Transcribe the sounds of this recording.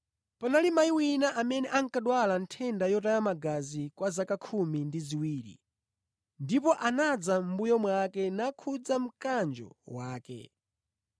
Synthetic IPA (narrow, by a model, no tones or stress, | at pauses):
panalimaiwinaʔamɛnɛʔaŋkaɗwalantʰɛndajɔtajamaɡazikwazakakʰumindiziwiːɾḭ | ndipɔʔanad͡zam̩bujɔmwakɛnakʰud͡zam̩kand͡ʒɔ̰waːkɛ̰